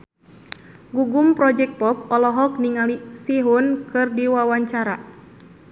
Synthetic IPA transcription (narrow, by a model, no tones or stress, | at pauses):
ɡuɡumpɾɔd͡ʒɛk̚t̪̚pɔp̚ɔlɔɦɔk̚niŋalisiɦunkɨrdiwawaɲt͡ʃaɾa